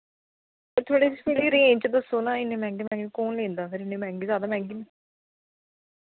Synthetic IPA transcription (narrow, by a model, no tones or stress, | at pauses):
pəɾt̪ʰoːɽeːsimiːliːɾẽːnt͡ʃəd̪əsːoːnãːɪnːẽːmɛ̃ːŋɡemɛ̃ːŋɡekoːnlẽːnd̪aːpʰɪɾɪnːeːmɛ̃ːŋɡeːzjaːd̪aːmɛ̃ːŋɡiːnẽ